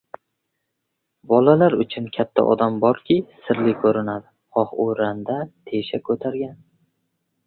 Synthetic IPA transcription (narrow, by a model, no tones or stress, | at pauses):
bɒlalaɾʊt͡ʃʰʊnkʲʰat̪ʰːa̰ʔɒ̰d̪ambɒɾkʲʰɪsɪɾlɪkʰɵɾɪnad̪ɪ | χɒho̰ɾand̪at̪ʰeʃakʰɵt̪ʰaɾɡʲan